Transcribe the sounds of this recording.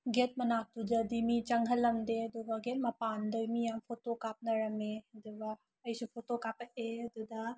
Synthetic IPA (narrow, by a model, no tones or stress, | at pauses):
ɡet̚mɐnak̚tud͡ʒɐdimit͡ʃɐŋɦɐlːɐmdeɐd̪ubɐɡet̚mɐpandɐjmijampʰotokap̚nɐɾɐmed̪ubaː | jsupʰotokapɐʔeɐd̪ud̪ɐ